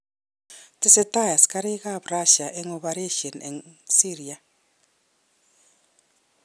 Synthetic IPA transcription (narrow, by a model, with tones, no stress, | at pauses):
ti˦se˦ta˦ja˨si̥ka˦ɾe˦ɣa˦βɾa˦ʃa˨ʔe˦ŋoβaɾe˦ʃɔ˨nḛ˨nsiɾia˨